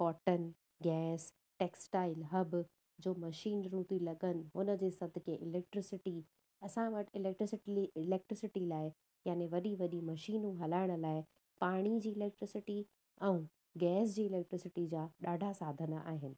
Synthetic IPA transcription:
kɔːʈən | ɡɛːs | ʈeːksʈaːɪlɦɐb | d͡ʑoːmɐʃiːnɾũːt̪ilɐɠənɪ̆ɦʊnəd͡ʑeːsɐd̪ʱɪkẽʔɪleːk̚ʈɾɪsɪʈi | ɐsãʋɐʈɪleːk̚ʈɾɪsɪʈiɪleːk̚ʈɾɪsɪʈilaːɪ | jaːneʋɐɗiʋɐɗimɐʃiːnũɦɐlaːɪɽ̃ə̆laːɪ | paːɽ̃id͡ʑiːɪleːk̚ʈɾɪsɪʈi | ɛ̃ũ | ɡɛːsd͡ʑiːɪleːk̚ʈɾɪsɪʈid͡ʑaːɗaːɖʱasaːd̪ʱənəʔa̰ːɦɪnɪ̆

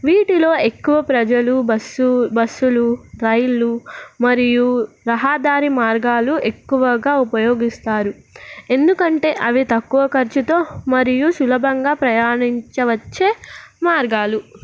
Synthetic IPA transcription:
ʋiːʈilo̞ːe̞kːuʋɐpɾɐd͡ʒɐlubɐsbɐsːuluɾɐjɐlumɐɾiju | ɾɐɦaːd̪aːɾimaːɾɡaːlue̞kːuʋɐɡaːupɐjoːɡist̪aːɾu | e̞nd̪ukɐɳʈe̞ːʔɐʋit̪ɐkːuʋɐkɐɾt͡ʃit̪o̞ːmɐɾijuʃulɐbʱɐŋɡaːpɾɐjaːɳiɲt͡ʃɐʋɐt͡ʃːeːmaːɾɡaːlu

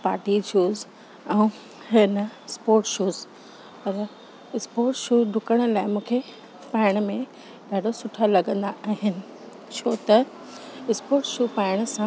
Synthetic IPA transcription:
paːʈid͡ʑʰuːz | ɛ̃ũ | hɪnəspoːɾʈʃuːz | pɐɾ | ɪspoːɾʈʃuːɖʱʊkəɽ̃ʊlaːɪmũːkʰe | paːɪɽ̃mẽ | bʱaːɖosʊʈʰalɐɠə̃nd̪aaːɦɪnɪ̆ | t͡ɕʰoːt̪ɐ | ɪspoːɾʈʃuːpaɪɽ̃ə̆sã

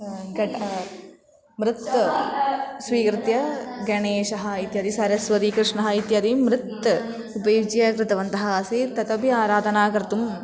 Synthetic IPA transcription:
ɡɐʈ | mɾɪt̪ | sʋiːkɾɪt̪jɐɡɐɳeːʃɐɦɐ̆it̪jɐd̪isɐɾjɐsʋɐɾiːkɾɪʂɳɐɦɐit̪jɐd̪imɾɪt̪ | upɐjid͡ʒjɐkɾɪt̪ɐʋɐnt̪ɐɦɐ̆ːseːt̪ɐt̪ɐbiaːɾaːd̪ʱɐnaːkɐɾt̪um

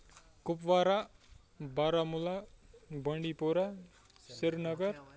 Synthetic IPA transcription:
kʊpʋaːɾa | baːɾamulabə̃ɳɖipoɾa | sɪɾnʌɡʌɾ

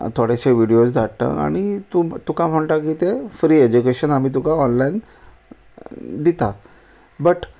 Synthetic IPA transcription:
t̪ʰoɽaɕeʋiɽiosd͡zʱaʈt̪ə̰a̰ɽ̃it̪ut̪ukãm̤əɳʈ̪akit̪efɾiːed͡ʑukeɕənam̤iːt̪̬ukaɔnlain | d̪it̪a | bəʈ

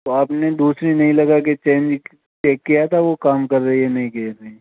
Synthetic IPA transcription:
t̪oaːpned̪uːsɾinɐɦĩlɐɡaket͡ʃẽːnd͡ʒ | t͡ʃeːkːijat̪ʰaʋokaːmkɐɾːɐɦiɦɛnɐɦĩkeːɾɐɦi

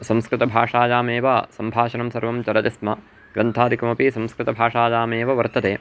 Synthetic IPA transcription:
sɐ̃mskɾɪt̪ɐbʱaːʂaːjaːmeːʋasɐmbʱaːʃɐnɐmsɐɾʋɐmt͡ʃɐɾɐd̪ismɐ | ɡ̥ɾɐnt̪ʰaːd̪ʱikɐmɐpisɐ̃mskɾɪt̪ɐbʱaːʂaːd͡ʒaːmeːʋɐʋɐɾt̪ɐt̪eː

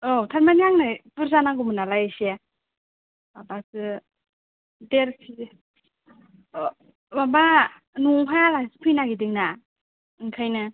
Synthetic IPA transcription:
otʰaɾmanijaŋnɯpɯɾzanaɡumɯnalajasia | babasɯ | deɾpʰi | baba | nuŋɦajalasɯ̥pʰɯjnaɡidiŋna | ɯŋkʰajnɯ

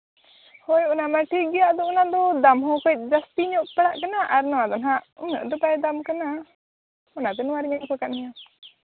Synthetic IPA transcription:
hɔjɔnamaʈiɡɛjaʔd̪ɔunad̪ɔd̪amhɔ̃kɔc̪̚ˀd͡ʒast̪iɲɔʔpaɽaʔkanaʔaɾnɔwad̪ɔnɦaʔṵmɔ̰ʔd̪ɔbajd̪amkana | ɔnat̪ɛnɔ̃aɾiɲaʔkɔkaʔ̪̚nija

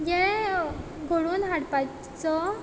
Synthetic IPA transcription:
jɛ | ɡʱoɽuːnɦaɽpa | t͡sɔ

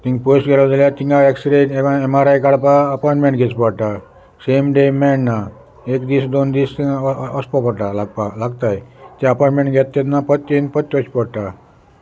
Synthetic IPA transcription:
t̪ĩŋɡposɡelad̪aljat̪iŋɡaeksɾenemaɾajkaɽpaːpɔɳʈmẽɳʈɡʱet͡spɔɽʈa | semɖemɛnːa | ekd̪isd̪ond̪ist̪ːspɔpɔʈalaɡpalaɡt̪ajt̪ɛəpɔʈmẽɳʈɡʱet̪ːet̪napət̪ːinpət̪ːʲɔsi̥pɔɽʈa

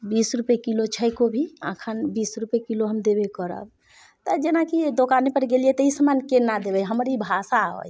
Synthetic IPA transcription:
bisɾupekilot͡ʃʰəjkobʱiã̰kʰənbisɾupekiloɦəmd̪ebekəɾə̰b̚ | t̪əd͡ʒenakid̪okanepəɾɡelijɛt̪əisəmankenad̪ebɛjɦəmɾibʱasaɦo̰j

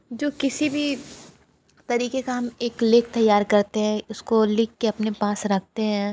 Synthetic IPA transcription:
d͡ʒoːkɪsibʱi | t̪ɐɾiːkekaɦɐmeːklɪːk̚t̪ɐjːaːɾkɐɾt̪eɦɛ̃ʊskolɪkːeɐpnepaːsɾɐk̚ʰt̪eɦɛ̃ː

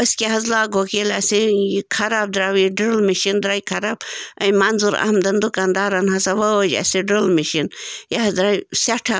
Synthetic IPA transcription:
əskʲeɦɐzlaːɡokelɐsiikʰɐɾab̚d̪ɾawiɖilmiʃind̪ɾaːjkʰɐɾabɐjmɐnzuɾa̰hmd̪ɐnd̪ukand̪aːɾɐnɦɐsaʋɐod͡ʒɐ̰siɖilmiʃinjaɦɐd̪ɾajsaʈʰa

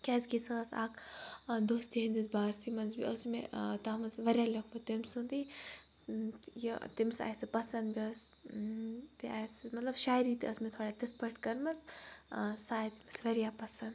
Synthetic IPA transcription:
kʲɛːzɡʲisɐɐsa̰ːkd̪oːst̪iɦɐ̃nd̪isbaːɾsimɐnzbiɐsmet̪aːmɐzʋɐɾʲjaːlɐkʰmɐt̪imsund̪i | jɐt̪imsa̰ːjsɨpɐsɐnd̪biɐs | biaːsɨmɐt̪lɐbʃaːjɾiːt̪iɐsmet̪ʰoːɽat̪it̪ʰpɐʈkɐɾmɐz | saːjt̪imɐsʋɐɾijaːpɐsɐnd̪

